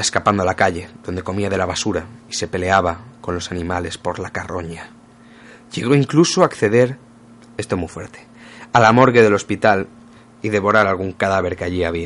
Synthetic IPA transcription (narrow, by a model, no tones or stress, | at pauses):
aeskapand̪olakaʎe̞ðond̪e̞ko̞miað̞e̞laβasuɾaise̞pe̞le̞aβako̞nlo̞sanĩmale̞spo̞ɾlakaro̞ɲa | ʎe̞ɣ̞o̞iŋklusoakθe̞ðe̞ɾ | est̪o̞mufwe̞ɾt̪ealamo̞ɾɣeðe̞lo̞spit̪al | iðe̞βo̞ɾaɾalɣuŋkaðaβ̞e̞ɾkeaʎiaβ̞i